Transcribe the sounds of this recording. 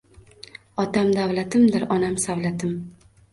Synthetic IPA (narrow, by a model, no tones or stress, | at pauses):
ɒt̪ʰamd̪avlat̪ʰɪmd̪ɪɾɒnamsavlat̪ʰɪm